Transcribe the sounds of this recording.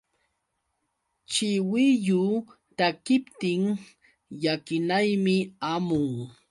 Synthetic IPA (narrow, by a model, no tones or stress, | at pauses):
t͡ʃɪwɪjʊ | t̪akɪpt̪ɪŋ | jakɪnajmɪamʊŋ